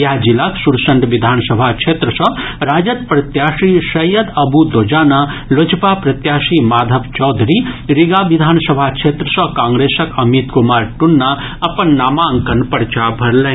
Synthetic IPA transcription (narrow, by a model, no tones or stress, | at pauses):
jɐɦd͡ʒilaksuɾsɐɳʈʋid̪ʱaːnsɐbʱakt͡ʃʰet̪ɾəsɐɾaːd͡ʒɐt̪̚pɾɐt̪jaːʂisɐjəd̪ɐbud̪od͡ʒaːnalod͡ʒpapɾɐt̪jaːʃimaːd̪ʱəbt͡ʃɔːd̪ʱɾiɾiɡaːʋid̪ʱaːnsɐbʱakt͡ʃʰet̪ɾəsɐkãːŋɡɾesɐkɐmit̪kumaːɾʈunːa | ɐpɐnːaːmaŋkɐnpɐɾt͡ʃabʱɐɾlɐɦ